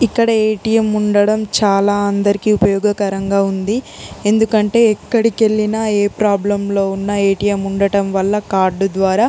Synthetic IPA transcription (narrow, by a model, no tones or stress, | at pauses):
ikːɐɽɐeːʈijemuɳɖɐɽɐmt͡ʃaːlaːɐnd̪ɐɾikiupɐjɔːɡɐkɐɾɐŋɡaːund̪i | e̞nd̪ukɐɳʈe̞ːɛkːɐɽike̞ɭːinɐeːpɾaːblɐmlo̞ːunːɐeːʈijemuɳɖɐɽɐmʋɐlːɐkaːɾɖd̪ʋaːɾaː